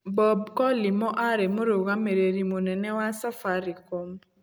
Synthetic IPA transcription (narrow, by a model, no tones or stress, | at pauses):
bɔbkɔlɪmɔʔaɾemoɾoɣameɾeɾimonɛnɛwasafaɾɪkom